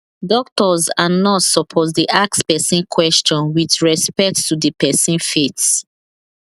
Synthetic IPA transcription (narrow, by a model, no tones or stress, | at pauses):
dɔk̚tɔzanɔtsɔpʰɔzdiʔak̚spɛsĩnkʰwɛst͡ʃɔ̃nwidɹɛspɛk̚ttudəpɛsĩnfits